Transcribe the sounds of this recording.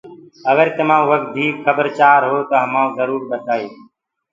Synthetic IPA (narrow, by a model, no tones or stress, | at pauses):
əɡəɾt̪əmãːʋək̚t̪̚d̪ʱiːkxəbəɾt͡ʃaːɾɦoːt̪oːɦəmaːũzəɾuːɾbət̪aːeː